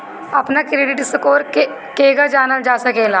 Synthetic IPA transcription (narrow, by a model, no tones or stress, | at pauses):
əpnakɾeːɖɪʈsəkoːɾ | keːɡad͡ʒaːnəld͡ʒaːsəkeːlaː